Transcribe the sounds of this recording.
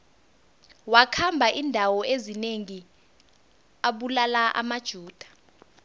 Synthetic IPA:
wakʰambʱaʔindʱawɔezineŋi | aɓulalaʔa̰mad̥ʒ̥ʱuːd̥ʱḁ

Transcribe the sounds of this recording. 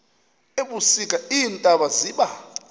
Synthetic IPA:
eɓusikʼaiːntʼaɓaziːɓa

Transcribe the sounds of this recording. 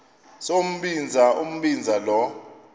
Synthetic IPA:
som̩ɓind͡zʱaʔum̩ɓind͡zʱalɔ

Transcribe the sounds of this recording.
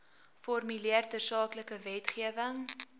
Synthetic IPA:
fɔrmyliərtəsɑːkləkəvɛtχiəvəŋ

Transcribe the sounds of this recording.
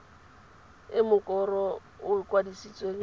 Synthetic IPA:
ɪmʊkʼɔrɔ | ʊɪkʼwadisit͡sʼweŋ

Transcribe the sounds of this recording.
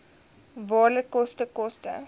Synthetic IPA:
vɑːrləkːɔstəkɔstə̰

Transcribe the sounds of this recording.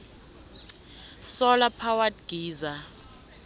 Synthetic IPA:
sɔlapʰawatɡ̥ʱiːza

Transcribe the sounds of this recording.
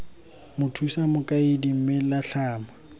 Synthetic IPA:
mʊtʰusamʊkʼaɪdim̩mɪlaɬaːma

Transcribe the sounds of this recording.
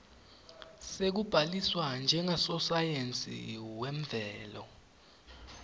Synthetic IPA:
sek̬ub̥ʱaliswand͡ʒʱɛŋasɔsajent͡sʼḭwɛm̩vʱɛːlɔ̰

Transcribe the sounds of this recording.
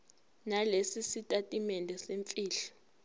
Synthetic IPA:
nalesisitʼatʼimɛndʱɛseɱfʼiːɬɔ̥

